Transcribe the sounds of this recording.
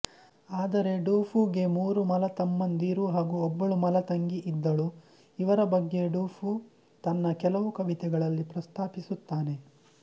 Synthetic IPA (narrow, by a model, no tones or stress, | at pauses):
aːd̪ɐɾe̞ɖuːfʰuːɡe̞muːɾumɐlɐt̪ɐmːɐnd̪iːɾuɦaːɡuɔbːɐɭumɐlɐt̪ɐŋɡiʔid̪ːɐɭu | iʋɐɾɐbɐɡːe̞ɖuːfʰu | t̪ɐnːɐkɛlɐʋukɐʋit̪ɛɡɐɭɐlːipɾɐst̪ʰaːpisut̪ːaːne̞